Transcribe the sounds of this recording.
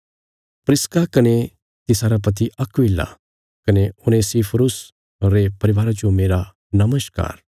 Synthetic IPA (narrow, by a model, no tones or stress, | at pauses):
pɾɪskakɐne | t̪ɪsaːɾap̬ɐt̪̬iʔɐkʋɪlːa̰ | kɐneʊnesipʰɾʊs | oɾepɐɾɪʋaːɾad͡ʒomeːɾa | nɐməska̰ːɾ